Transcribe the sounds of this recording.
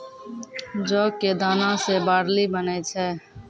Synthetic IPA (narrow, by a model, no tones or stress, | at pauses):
d͡ʒoːeːd̪aːnãːseːbaːɽliːbəneːt͡ʃʰɛː